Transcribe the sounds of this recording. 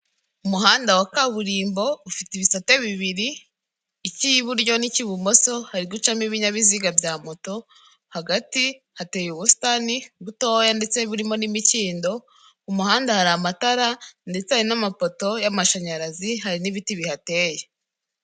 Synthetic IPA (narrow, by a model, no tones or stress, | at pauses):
umuɦaːndawakaβuɾiːmbo̞ufitiβisateβiβiɾiː | ciβuɾɟo̞niciβumo̞so̞haɾiɡut͡ʃamiβiɲaβiziɡabjaːmoto̞ | haɡati | hate̞ːjuβustaniβutojande̞t͡se̞βuɾimo̞nimiciːndo̞ | umuhaːndahaɾamataɾande̞t͡sehaɾinamapo̞to̞jamaʃaɲaɾaziɦaɾinivitiβihate̞ːje